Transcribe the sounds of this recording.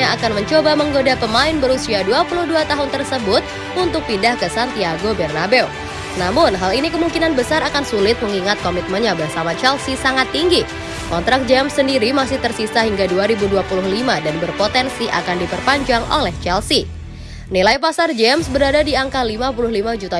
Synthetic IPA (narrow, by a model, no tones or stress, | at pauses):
aakanməɲt͡ʃobaməŋɡodapəmaɪnbəɾusiaduapulʊhduat̪aɦʊnt̪ərsəbʊt̪̚ | unt̪ʊk̚pindahkəsant̪iaɡobɛrnabɛw | namʊnɦalinikəmuŋkinanbəsaɾakansulɪt̪̚məŋiŋat̪̚komit̪̚mənɲabaɦsamat͡ʃɛlsisaŋat̪ːiŋɡi | kɔnt̪ɾak̚d͡ʒɛmsːəndiɾimasɪht̪ərsisaɦiŋɡaduaɾibuduapulʊhlimadanbərpot̪ɛnsiʔa̰kandipərpaɲd͡ʒaŋo̰lɛht͡ʃɛlsi | nilaipasard͡ʒɛmsbəɾadadiaŋkalimapulʊhlimad͡ʒut̪a